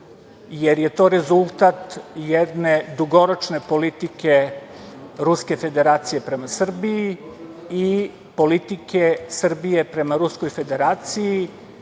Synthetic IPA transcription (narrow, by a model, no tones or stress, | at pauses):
jeɾjet̪o̞ːɾe̞zulˠt̪at̪jed̪ned̪uɡo̞ɾot͡ʃne̞po̞lit̪ike | ɾuske̞fe̞d̪e̞ɾaːt̪sije̞pɾe̞masr̩bii | i | polit̪ikesr̩bijepɾe̞maɾusko̞jfe̞d̪e̞ɾaːt̪siji